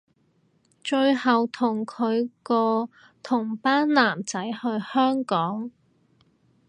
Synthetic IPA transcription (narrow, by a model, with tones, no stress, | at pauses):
t͡ʃɵ˧ɥhɐ˨˩wt̪ʰʊ˨˩ŋkʰɵ˨˧ɥkɔː˧ | t̪ʰʊ˨˩ŋpaː˥nlaː˨˩mt͡sɐ˨˥jhɵ˧ɥhœː˥ŋkɔː˨˥ŋ